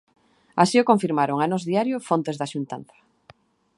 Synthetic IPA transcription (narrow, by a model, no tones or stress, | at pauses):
asiokoɱfiɾmaɾoŋanozðiaɾjofont̪ezðaʃunt̪a̰nt̪ḁ